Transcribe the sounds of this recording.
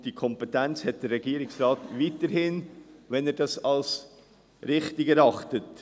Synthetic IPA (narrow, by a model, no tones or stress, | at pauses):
d̥ikʰɔmpɛtænt͡shɛt̚d̥əɾːɛɡ̥iəɾɪksɾɑːtvitəɾhɪnʋɛnɛːɾd̥ɑsɑls | ɾɪχtɪɡɛɾɑχtət